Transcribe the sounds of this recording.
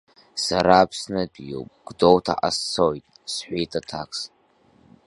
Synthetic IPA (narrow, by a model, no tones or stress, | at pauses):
saɾaːpʰsnɨdjo̰wpʼɡ̥dowtʰa̰ʔast͡sʰojtʼ | sħʷᶣejtʰʼatʰakʰs